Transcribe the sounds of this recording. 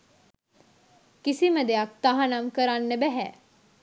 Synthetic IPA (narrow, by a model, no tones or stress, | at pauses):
kisiməd̪eak̚t̪aɦanamkəɾanːəbæɦæː